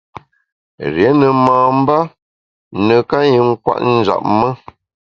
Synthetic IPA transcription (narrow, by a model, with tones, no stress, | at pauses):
ɾjɛ˨˦nə˨maː˨m̩˦ba˦ | nə˨ka˦ji˨ŋ̩˦kwa̰˦ʔn̩˦d͡ʒa̰˨p̚mə˦